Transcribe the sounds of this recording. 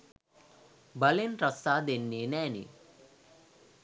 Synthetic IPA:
bɐlenɾɐsaːd̪enːinæːnḭ

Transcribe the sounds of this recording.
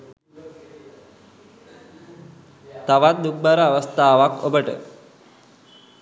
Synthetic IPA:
t̪aʋat̪̚d̪uk̚baɾəaʋəst̪aːʋakobəʈə̰

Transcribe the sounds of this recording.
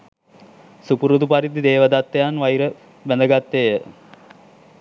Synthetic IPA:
supuɾud̪upaɾid̪id̪eːʋəd̪at̪ːejanʋajɾə | bænd̪əɡat̪ːejə

